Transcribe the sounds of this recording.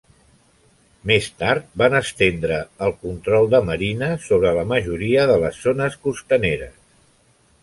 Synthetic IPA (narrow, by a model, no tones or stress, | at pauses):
mest̪aɾt̪̚banəst̪end̪ɾəːlˠkunt̪ɾɔlˠd̪əməɾinəsoβ̞ɾələməʒuɾiəðələsːonəskust̪əneɾə̰s